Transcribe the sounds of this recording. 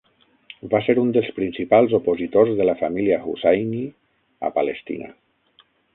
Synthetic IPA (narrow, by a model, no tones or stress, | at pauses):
baseɾund̪əlˠspɾinsipalˠzopozit̪ozðəlafamiliaɣṵsajni | a̰palest̪ḭna̰